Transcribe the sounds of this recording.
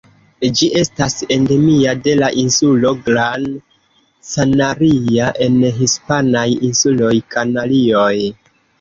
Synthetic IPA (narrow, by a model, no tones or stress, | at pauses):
d͡ʒiʔe̞stase̞nde̞miade̞laʔinsulo̞ɡɾan | sanaɾiaʔe̞nɦispanajinsulo̞jkanalioj